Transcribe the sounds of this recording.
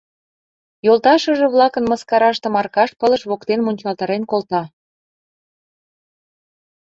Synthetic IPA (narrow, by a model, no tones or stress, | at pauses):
jolt̪ɑʃə̆ʒĕβlɑkənmə̆skɑɾɑʃt̪ĕmɑrkɑʃpələ̆ʃβokt̪enmunʲt͡ɕɑlt̪ɑɾenkolt̪ɑ